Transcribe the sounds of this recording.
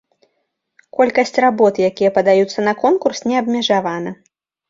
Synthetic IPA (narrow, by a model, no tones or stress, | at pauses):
kɔlʲkɐsʲt͡sʲrabɔt̪jakʲijɐpɐd̪ajut̪sːɐnɐkɔnkursnʲɛɐbmʲɛʐavanɐ